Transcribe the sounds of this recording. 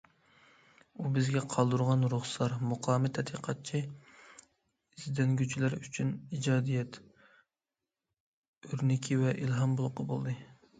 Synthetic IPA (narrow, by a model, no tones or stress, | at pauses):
ubɪzɡʲɛqʰɑlˠd̪uɾʁɑnɾuχsɑɾmuqʰɑːmɪt̪ʰɛt̪ʰiqʰɑt̪̚t͡ʃʰi | izd̪ɛnɡʲyt͡ʃʰilæɾyt͡ʃʰynid͡ʒɑːd̪ijɛt̪ | øɾnɪkʲʰivɛʔilɦɑmbolˠqɑbo̰lˠd̪ɨ